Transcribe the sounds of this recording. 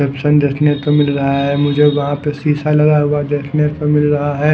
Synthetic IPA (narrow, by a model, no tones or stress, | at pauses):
eːpʃənd̪eːsʰneɾt̪omɪlɾɐɦaɦɛmʊd͡ʒʱeʋɐɦãpesiːsalɐɡaɦʊad̪eːsʰneɾt̪omɪlɾɐɦaɦɛː